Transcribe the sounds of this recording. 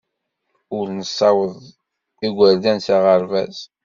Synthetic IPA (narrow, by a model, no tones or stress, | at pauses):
ʊɾnəsːɑwəðˤ | iɡʷəɾd̪ænsaʁəɾvæz